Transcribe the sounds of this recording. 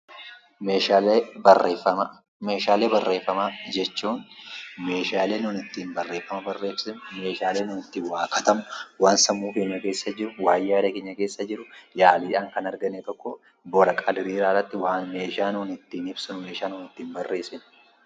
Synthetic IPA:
meːabreːfɐm | me̞ːʃaːle̞ːbɐrːe̞ːfːɐmad͡ʒɛt͡ʃːuːnmeːʃaːle̞ːnʊːnɪt̪ːiːnbɐrːeːfːɐmɐbɐrːe̞ːfsɪnme̞ːʃaːleːnuːnɪt̪ːiːnwaːkʰɐt̪ɐmʊwaːnsɐmːuːke̞ːɲːɐke̞ːsːɐd͡ʒɪɾʊwaːjːaːd̪ɐkeːɲːɐkeːsːɐd͡ʒɪɾʊjaːliːᶑaːŋkɐnɐɾɡɐnɛt̪ɔkːɔ | boːɾɐkʼɐd̪ɾiːɾaːrɐt̪ːɪwaːnme̞ːʃaːnuːnɪt̪ːiːnɪbsɪnʊme̞ːʃaːnuːnɪt̪ːiːnbɐrːʔe̞ːsɪn

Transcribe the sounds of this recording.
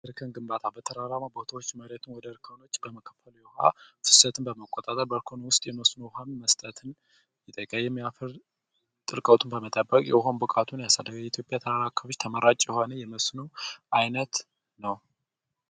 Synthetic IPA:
ɨɾkʰənɡɨmbat̪ʰabət̪ʰəɾaɾamabot̪ʰawot͡ʃːməɾet̪ʰɨnwɔd̪əɾkʰəno̞t͡ʃːbəməkʰəfəljɛha̰fɨ̥sət̪ʰɨnbəməkʼːot̪ʼat̪ʼəɾbəɾkʰonowʊst̪ʼjɛməsnoɦanməst̪ʼət̪ʰɨn | jɪt̪ʼəkʼəjːɛmːijafəɾ | t̪ʼɨlkʼəwt̪ʰɨmbəmət̪ʼəbːəkʼjɛɦonbɨkʼat̪ʰunjasad̪əɡaɛit̪ʰjo̞pʼjat̪ʰəɾaɾakʰːəbot͡ʃːt̪ʰəməɾat͡ʃʼjɛho̞nəjɛməsnuʔajnət̪ | nəw

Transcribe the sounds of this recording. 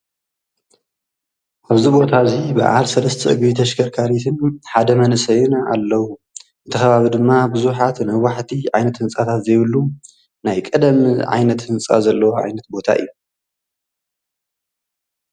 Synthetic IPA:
ʔaβzibo̞t̪ʰazibɨ̰ʕa̰lsɐlɐst̪ʰɐʔɨɡβit̪ʰɐʃkʰɐɾkʰaɾit̪ʰɨnħad̪ɐmɐnɨsɐjnaalːɐwu | ɨnt̪ʰɐxɐβaβid̪ɨmːabɨzuħat̪nawaħt̪ʰiʕajnɐt̪hɨnt͡sʼat̪ʰat̪zɐjβɨlːu | najkʼɐd̪ɐmʕa̰jnɐt̪hɨnt͡sʼa̰zɐlːɐwoʕa̰jnɐt̪bo̞t̪ʰa̰ʔɨ̰jːu

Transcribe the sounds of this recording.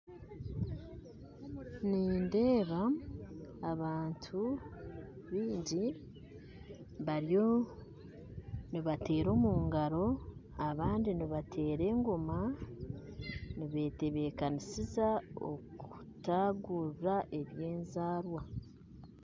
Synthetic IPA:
niːnde̞ːβa | aβaːntʰu | βiːɲɟi | βaɾjo | niβate̞ːɾo̞ːmuːŋɡaɾo̞ | aβaːndiniβatʰe̞ːɾe̞ːŋɡoma | niβe̞ːte̞βe̞kanisizao̰ku̥taɡuɾɾaʔe̞βje̞ːnzaːɾwa

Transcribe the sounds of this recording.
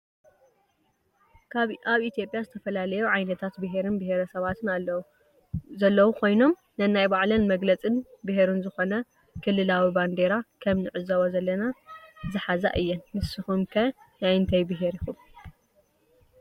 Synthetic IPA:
kʰaβaβit̪ʰijo̞pʼjazɨt̪ʰɐfɐlalɐjuʕajnɐt̪ʰat̪bɨɦeɾɨnbɨheɾɐsɐβat̪ʰɨna | zɐlːɐwukʰo̞jno̞m | nɐnajbaʕlɐnmɐɡlɐt͡sʼɨnbɨɦeɾunzɨxo̞nɐ | kʰɨlːɨlawiband̪eɾakʰɐmnɨʕɨzɐwozɐlːɐnazɨħaza̰ʔɨjːɛnmɨsɨxumkʰɐ | najnt̪ʰɐjbɨɦeɾixum

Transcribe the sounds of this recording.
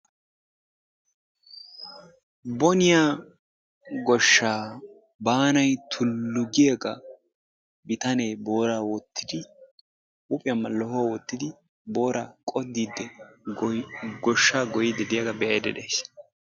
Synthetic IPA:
bɔnɪjaː | ɡɔʃːaː | baːnɐjt̪ʰʊlːʊɡɪjeɡɐ | bɪt̪ɐneːbo̞ːɾaːwɔt̪ʰːɪd̪ɪ | ʔʊpʼɪjɐmːɐlɔhowɔt̪ːɪd̪ɪ | boːɾakʼɔd̪ːiːd̪ːɛ | ɡɔʃːaːɡɔjɪd̪ɛd̪ɪjɐɡɐbɛʔɐd̪ɛd̪ejs

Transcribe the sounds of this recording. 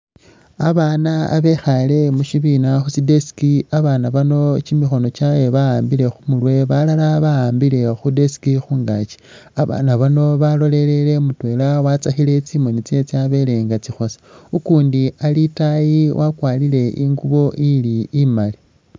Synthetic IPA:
aβana̰ːβe̞xale̞muʃiβinaxusidesi̥kiaβaːnaβano̞t͡ʃimixo̞no̞t͡ʃawe̞βaaːmbile̞xumulwe̞βalalaβaaːmbile̞xudesi̥kixuːŋɡat͡ʃi̥ | aβa̰ːnaβano̞βalo̞le̞le̞le̞mutwe̞ːlawat͡saxile̞t͡siːmo̞nit͡se̞t͡siaβe̞le̞ŋɡat͡sixo̞sḁukuːndialitajiwʔakwaːlile̞ʔiŋɡuβo̞ʔiliːmali

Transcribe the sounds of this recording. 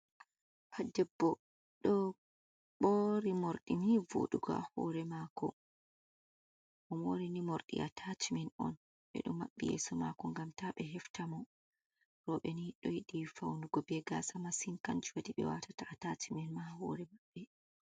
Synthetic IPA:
pʰadɛbːɔ | ɗɔ | ɓɔɾimoɾɗinivo̰ɗuɡɔahɔ̰ɾɛmakɔ | ʔɔmwoɾinimoɾɗḭʔatʰat͡ʃimɛnɔ̰n | ɓɛ̰ɗumːaɓːijɛ̰sɔma̰kɔŋɡamtaɓɛɦɛftamɔ | ɾɔɓɛniɗɔjiɗifawnuɡɔbɛɡa̰samasinkand͡ʒuwaɗiɓɛ̰wa̰tataʔatat͡ʃimɛnmahɔ̰ɾɛmaɓːɛ

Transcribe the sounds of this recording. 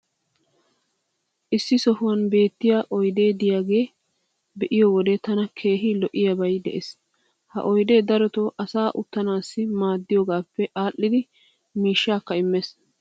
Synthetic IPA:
ʔɪsːɪsɔhʊwɐnbe̞ːt̪ːɪjaːʔɔjd̪e̞ːd̪ɪjaːɡe̞ː | bɛʔɪjoːwɔd̪ɛt̪ɐnɐkʰe̞ːɦɪlɔʔɪjɐbɐjd̪ɛ̰ʔes | hɐ̰ʔɔjd̪e̞ːd̪ɐɾɔt̪oːʔɐsaːʔʊt̪ːɐnaːsːɪmaːd̪ːɪjoːɡaːpːɛʔaːlːɪd̪ɪ | miːʃːaːkːɐɪmːes

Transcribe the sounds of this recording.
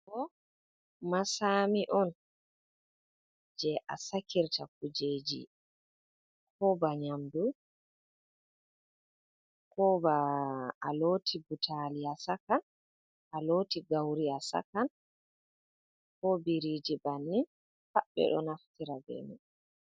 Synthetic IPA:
kɔ | masamiʔɔn | d͡ʒɛʔa̰sakiɾtakud͡ʒed͡ʒḭ | kʰɔbaɲamdu | kɔbaː | loːtʰibutʰaliasakan | ʔaloːtiɡawɾiasa̰kan | kɔbiɾiːd͡ʒibanːin | saɓɛ̰ɗɔ̰naftiɾabɛ̰mḭ

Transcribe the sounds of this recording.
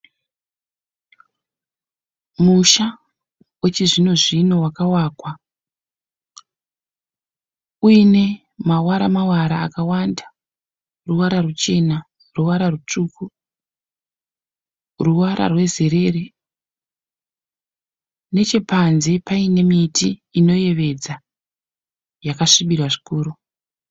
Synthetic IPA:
muʃa | wet͡ʃiʐino̞ʐino̞wakawaːkwa | uine̞ | mawaɾamawaɾaːkawanda | ruwaɾarut͡ʃe̞na | ruwaɾarut͡ʂuku | ruwaɾʔa̰rwe̞ze̞ɾe̞re | ne̞t͡ʃe̞panze̞paine̞mitiːno̞je̞ʋe̞d͡za | jakaʂiɓirwaʐi̥kuːɾu

